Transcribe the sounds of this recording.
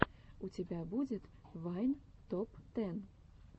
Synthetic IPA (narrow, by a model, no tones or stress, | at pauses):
ut͡sʲabʲabud͡zʲɛt̪vajnt̪ɔpt̪ɛn